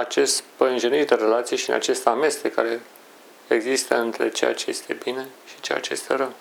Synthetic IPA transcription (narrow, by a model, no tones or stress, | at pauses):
at͡ʃe̞st̪pəɨnʒenird̪eɾelat̪sijeʃiɨna̰t͡ʃe̞st̪ame̞st̪eka̰ɾe̞ | eɡzist̪əɨnt̪ɾe̞̰t͡ʃe̞ja̰t͡ʃe̞je̞̰st̪ʰe̞bine̞ʃi̥t͡ʃeja̰t͡ʃejest̪e̞ɾəw